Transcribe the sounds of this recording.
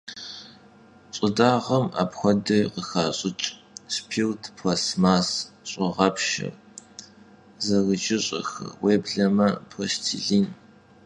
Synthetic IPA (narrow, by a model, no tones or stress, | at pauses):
ɕʼɪdaːʁɐma̰ːpxʷɔdɐqəxaːɕʼɪt͡ʃʼ | spʰiːwtʰpʰwɐsmaːsɕʼɪʁɐpʃɐ̰r | zɐɣəd͡ʒɪɕʼɐ̰xɐ̰weːbɮɐmɐpʰostʰḭɮiːn